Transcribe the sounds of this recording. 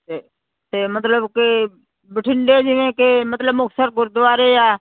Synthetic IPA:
e | t̪eːmət̪ləbke | bɪʈʰɪɳɖeːd͡ʒɪʋẽːkemət̪ləbmʊkʰsəɾɡʊɾd̪ʊʋaːɾeːjaː

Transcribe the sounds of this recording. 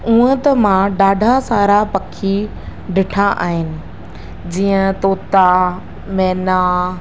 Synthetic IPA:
ũɦə̃t̪ɐmãɖaːɖʱasaːɾapɐkʰi | ɖɪʈʰaʔa̰ːɦɪnɪ̆ | d͡ʑiːə̃t̪oːt̪a | mɛːna

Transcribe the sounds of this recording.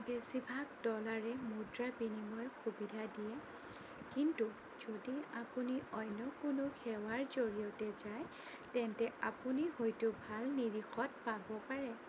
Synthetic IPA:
besibʱaɡdɔlaɹɛmudɹabinimɔjkʰubidʱadijɛ | kintu | z̥odiapuniʔɔjnɔkʊnʊkʰɛwaɹzoɹiɔtɛzaj | tɛntɛapunihojtʊbʱalniɹixʰɔt̚pabɔpaɹɛ

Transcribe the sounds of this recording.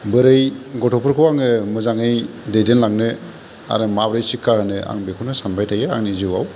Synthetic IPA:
bɯɾɯjɡɔtʰɔpʰɯɾkʰɯwaŋɯmɯzaŋɯjdejdenlaŋnɯ | a̰ɾɯmabɾɯjsikʰːahɯnɯʔa̰ŋbekʰunasanbajtʰajɯa̰ŋniziwa̰w

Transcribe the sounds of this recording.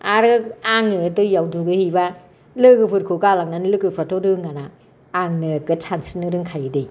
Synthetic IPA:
aɾɯaŋnɯdɯjawduɡɯhiba | lɯɡɯpʰɯɾkʰɯɡalaŋ̚nanɯlɯɡɯpʰɾatʰoɾɯŋanaː | ŋnɯɡɯtʰansinɯɾɯŋkʰajɯdɯj

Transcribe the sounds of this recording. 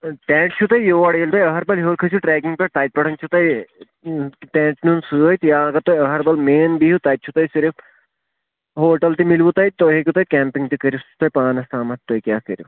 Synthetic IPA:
ʈɛ̃ːɳʈ̚t͡ʃʰut̪ajjoʋɐɽjelt̪oːjɐɦɐɾbɐlɦoːɾkʰɐsʰuʈɾɛːkiŋɡpɐɾt̪aːjt̪̚pɐɽʰɐnt͡ʃʰut̪aj | ʈɛ̃ːʈnunsɨəjt̪jaɐɡɐɾt̪ojɐɦɐɾbɐlmeːnbiɦut̪aːt̪̚t͡ʃʰut̪ajsiɾif | ɦoːʈɐlt̪imilʋut̪ajt̪oɦekʲut̪aːjkʲɛːmpiŋɡt̪ikɐɾjust̪oːjpaːnɐst̪aːmɐt̪ːoːjkʲjaːkəɾju

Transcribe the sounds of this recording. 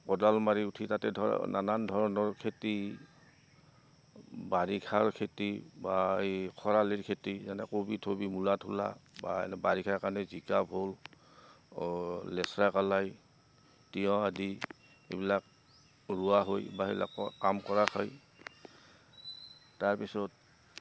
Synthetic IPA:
kɔdalmaɹiutʰitatɛdɔnanandʱɔɹɔnɔɹkʰeti | baɹikʰaɹkʰetibaejkʰɔɹaliɹkʰetizanɛkobitʰobimulatʰula̰babaɹikʰaɹkanɛzikabʱol | ɛsɹakalaj | tijɔ̃adi | ḛbilak̚ | ɹuwaɦojbaebila̰kkamkɔɹakʰaj | aɹpisɔt̚

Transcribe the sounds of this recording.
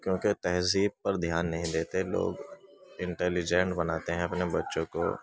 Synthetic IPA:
kjõːket̪ɛɦziːb̚pɐɾd̪ʱjaːnːɐɦĩd̪eːt̪elo̰ːɡɪ̃ɳʈɛːlid͡ʒɛ̃ɳʈbɐnaːt̪eɦɛ̃ɐpnebɐtːʃõko̰

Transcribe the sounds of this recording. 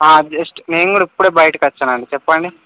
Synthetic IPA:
aːd͡ʒɐsʈneːŋɡɽɐipːuɽeːbɐjʈːɨkɐt͡ʃːɐnaːɳɖit͡ʃɛpːaːɳɖi

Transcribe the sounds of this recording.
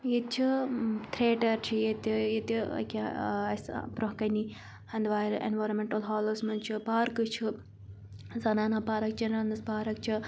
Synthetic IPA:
jit̪t͡ʃʰɨt̪ʰɾeːʈɐɾt͡ʃʰijet̪ijet̪iɐ̰kʲeɐspɾoɦkɐni | ɐnd̪ʋaːjɾḛnʋaːjɾɐnmeɳʈɐlɦaːloːsmɐnt͡ʃʰɨpaːɾkɨt͡ʃʰɨ | zɐnaːnapaːɾɐk̚t͡ʃʰɐnɾɐnd̪ɐspaːɾɐk̚t͡ʃʰɨ

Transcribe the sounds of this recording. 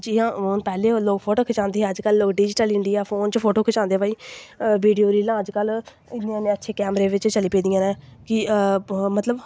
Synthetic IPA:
d͡ʒiãːoːnpɛːleːloːkpʰoːʈoːkʰət͡ʃãːnd̪eːɦɛːəd͡ʒkəlːoːkɖid͡ʒʈəlɪɳɖijaːpʰoːnt͡ʃpʰoːʈoːkʰət͡ʃãːnd̪eːpaːiːʋiːɖijoːɾiːlãːəd͡ʒkəl | ɪnːãːnẽːətːʃʰeːkɛːmɾeːʋɪt͡ʃt͡ʃəliːpeːd̪ijãːnɛ̃ːkɪ | mət̪ləb

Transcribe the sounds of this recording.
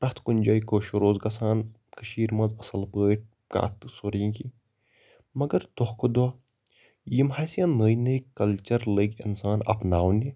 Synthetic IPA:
pɾɐt̪ʰkunʲd͡ʒaːikoːʃoɾoːzɡɐsaːn | kəʃiːɾmɐ̃ːzɐsɐlpəːʈ̚ | ka̰ːt̪ɨsoɾiŋki | mɐɡɐɾt̪ohkod̪a | jimhaːsijãnəjnɐjkɐlt͡ʃɐɾləɡɪ̰nsaːnɐ̰pnaːwne

